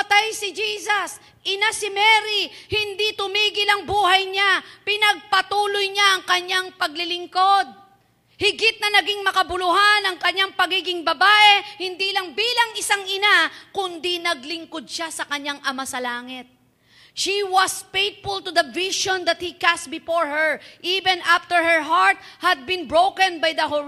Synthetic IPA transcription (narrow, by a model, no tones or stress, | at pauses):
pɐt̪ajsɪd͡ʒiːsɐs | ʔɪnasɪmɛːɾihɪnd̪it̪ʊmiːɡɪlɐŋbuːhɐjɲapɪnɐɡ̚pɐt̪uːlojɲaʔɐŋkɐɲaŋpɐɡ̚lɪlɪŋko̞d̪̚ | hɪɡɪt̪̚nɐnɐɡɪŋmɐkɐbʊlʊɦanɐŋkɐɲːaŋpɐɡiːɡɪŋbɐbaːʔɛhɪnd̪ilɐŋbiːlɐŋɪsaŋʔɪnakʊnd̪inɐɡlɪŋkod̪̚ʃasɐkɐɲaŋʔɐmasɐlaːŋɪt̪̚ | ʃiwɐspejt̪fʊlt̪ʊd̪ɐvɪʃɔ̃nd̪ɐt̪̚hikast̪̚bɪfoɹhɛɹʔivɛ̃nʔaft̪ɛɹhɛɹɦaɹt̪̚hɐd̪̚bɪ̃nbɹowkɛ̃nbɐjd̪ɐɦo